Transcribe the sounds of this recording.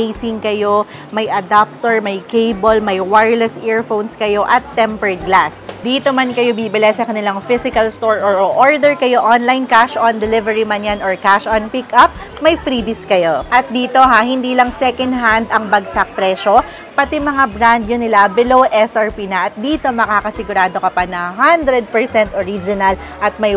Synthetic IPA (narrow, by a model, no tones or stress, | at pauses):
ejsɪŋkɐjo̞ | mɐjʔɐd̪ap̚t̪oɹmɐjkejbolmɐjwaɹlɛsʔɛɹfownskɐjo̞ʔɐt̪ːɛmpɛɹd̪̚ɡlasd̪iːt̪omɐnkɐjo̞bibɪlɛsɐkɐnɪlaŋfɪsɪkɐlst̪oɹʔoɹoʔoɹd̪ɛɹkɐjo̞ʔonlajnkaʃʔɔnd̪ɛlɪvɛɹimɐnjanɔɹkaʃʔɔnpɪkʔɐp̚ | mɐjfɾiːbɪskɐjo̞ʔɐt̪̚d̪iːt̪o̞ɦahɪnd̪iːlɐŋsɛkɐnd̪ɦand̪ɐŋbɐɡsak̚pɾɛʃo̞ | pɐt̪imɐŋabɾand̪jonɪlabɛlowʔɛsʔɐɹpinɐʔɐt̪̚d̪iːt̪o̞mɐkaːkɐsɪɡʊɾaːd̪o̞kɐpanɐɦand̪ɾɛd̪̚pɛɹsɛnt̪ʔoɾid͡ʒɪnɐl | ʔɐt̪̚mɐj